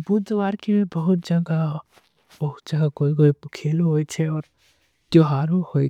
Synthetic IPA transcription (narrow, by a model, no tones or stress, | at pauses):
buzʋaːɾkemebɐɦʊt̪̚d͡ʒɐ̃ɡa | bɐɦʊt̪̚d͡ʒɐ̃ɡakoːikoːikʰeːloɦoːit͡ʃʰɛɔːɾ | t̪joɦaːɾohoːi